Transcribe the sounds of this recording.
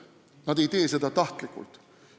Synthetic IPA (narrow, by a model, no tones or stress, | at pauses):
nɑd̪e̞jt̪e̞ːse̞d̪ɑt̪ɑht̪likːṵlt̪